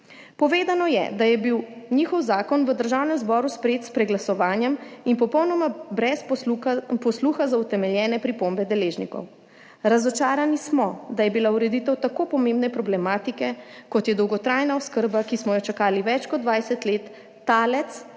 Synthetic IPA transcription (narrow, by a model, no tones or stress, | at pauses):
pɔʋeːd̪anɔjɛ̰d̪ajɛbiwnixɔwzaːkɔnʋəd̪əɾʒawnɛmzbɔɾuspɾeeːt̪spɾɛɡlasɔʋaːnjɛminpɔpɔwnɔmabɾɛs | pɔsluxazaut̪ɛmɛljɛːnɛpɾipombɛd̪ɛleːʒnikɔ̰w | ɾazɔt͡ʃaːɾanismɔd̪ajɛbilauɾɛd̪it̪ɛwt̪akopɔmẽmbnɛpɾɔblɛmaːt̪ikɛkɔt̪jɛd̪ɔwɡɔt̪ɾajnaɔskəɾbakismɔjɔt͡ʃakaːliʋɛt͡ʃkɔd̪d̪ʋajsɛt̪let̪ː | aːlɛt̪s